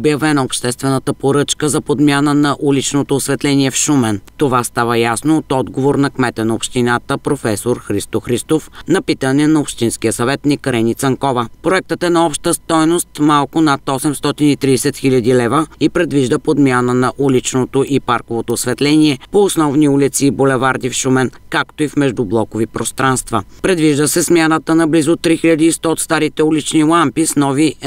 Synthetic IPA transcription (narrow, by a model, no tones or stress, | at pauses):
objɐvɛnɐopʃt̪ɛst̪vɛnət̪əpoɾɤt͡ʃkəzɐpod̪mʲjanənɐʔulit͡ʃnot̪oːsvɛt̪lɛniɛfʃumɛnt̪ovast̪avəjasnoːt̪ɔd̪ɡovoɾnɐkmɛt̪ɛnɐopʃt̪inat̪əpɾofɛsoɾxɾist̪oxɾist̪ofnɐpit̪ənɛnɐopʃt̪inskijəsɐvɛt̪nikɾɛnit̪sɐŋkɔvəpɾoɛk̚t̪ət̪ɛnɐɔpʃt̪əst̪ɔjnost̪malˠkʊnat̪ɔsɛmst̪ɔt̪init̪ɾisɛt̪xiʎʲɐd̪ilɛvəipɾɛd̪viʒd̪əpod̪mʲjanənɐʔulit͡ʃnot̪oʔipaɾkovot̪osvɛt̪lɛniɛpoːsnɔvniulit̪sibolɛvaɾd̪ifʃumɛnkakt̪oifmɛʒd̪ʊblˠɔkovipɾost̪ɾanst̪vəpɾɛd̪viʒd̪əsɛsmʲjanət̪ənɐblizot̪ɾixiʎʲɐd̪iːst̪ɔːt̪st̪aɾit̪ɛulit͡ʃnilˠampisnɔvi